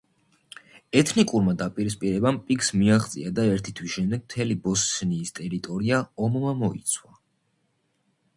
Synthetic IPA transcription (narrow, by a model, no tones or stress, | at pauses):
ɛt̪ʰnikʼuɾmad̪apʼiɾispʼiɾɛbampʼikʰsmiaχt̪sʼḭad̪aɛɾt̪ʰit̪ʰwisʃɛmd̪ɛɡ̚mt̪ʰɛlibɔsniːst̪ʼɛɾit̪ʼɔɾiaɔmmamɔit̪sʰwa